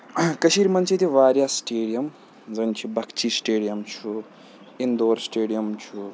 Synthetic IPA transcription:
kɐʃiɾmɐnt͡ʃʰit̪ʰiʋaːɾjasʈeːɖijɐm | d͡zɐnt͡ʃʰibɐkt͡ʃʰisʈeːɖijɐmt͡ʃʰu | ind̪oːɾsʈeːɖijɐmt͡ʃʰu

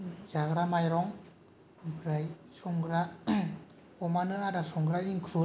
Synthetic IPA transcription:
zaɡɾamajɾɔŋ | bɾajsɔŋɡɾa | ɔmanɯadasɔŋɡɾaiŋkʰɾu

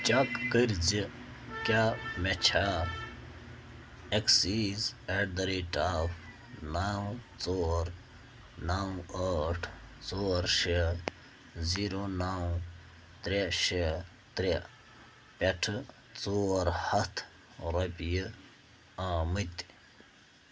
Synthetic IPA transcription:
t͡ʃɐkːəɾzi | kjaːmet͡ʃʰaː | eksized̪ɐɾiʈaːf | naːwt͡soːɾ | naw̃ɐːʈʰt͡soːɾʃe | ziɾonaw | t̪ɾeɕe | t̪ɾe | pʲeʈʰɨ | t͡soɾhɐt̪ʰ | ɾɐpjə | aːmɨt̪

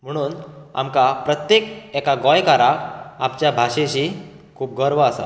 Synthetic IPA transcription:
m̤əɽ̃uːn | a̰mkapɾət̪jekɛkaɡɔjkaɾakapt͡ɕjabʱaɕẽɕi | kʰuːp̚ɡəɾʋəasa̰

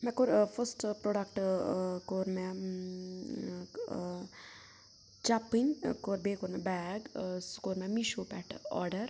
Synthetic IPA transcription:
mɛ̃koɾfʰəsʈpɾoɖɐk̚ʈkoɾmɛ | t͡ʃapinkoɾbekoɾmɛbɛɡskoɾmɛmiʃopɛʈɔ̰ɾɖɐɾ

